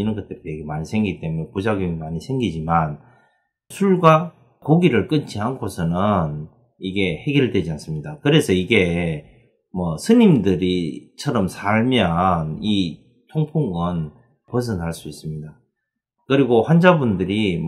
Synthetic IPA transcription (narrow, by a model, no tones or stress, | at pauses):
inɯnɡʌt͈eɾjeɡemaɲisʰe̞ŋɡit͈e̞muɲepud͡ʑaɡjoŋimaɲisʰe̞ŋɡid͡ʑiman | sʰuɭɡwa | koɡiɾɯɭk͈ɯt͡ɕʰiɦankʰosʰʌnɯn | iɡe̞he̞ɡjʌɭdwe̞d͡ʑians͈ɯmɲidakɯɾe̞sʰʌiɡe̞ | mʌsʰɯɲimdɯɾit͡ɕʰʌɾʌmsʰaɭmjʌni | tʰoŋpʰuŋɯn | pos̬ʰɯnʰaɭs͈uis͈ɯmɲida | kɯɾiɡoɸwand͡ʑabundɯɾi